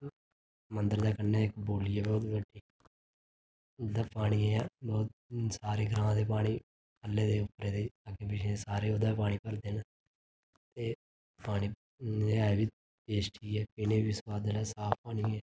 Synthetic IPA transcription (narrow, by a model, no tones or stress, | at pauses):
mənd̪əɾd̪aːkənːeːɪkboːliːɛːbɔːt̪bəɖiː | d̪aːpaːɽ̃iãaːbɔːt̪̚saːɾeːɡəɾãːãːd̪eːpaːɽ̃iː | əlːeːd̪eːʊpɾẽːd̪eːaːkẽpɪt͡ʃʰesaːɾeːʊd̪aːp̬aːɽ̃iːpəɾd̪eːna | t̪eː | paːɽ̃iː | eːaːbiː | eːsʈiːɛːpɪneːʋɪswaːd̪əlɛːsaːp̚ʰpaːɽ̃iːɛː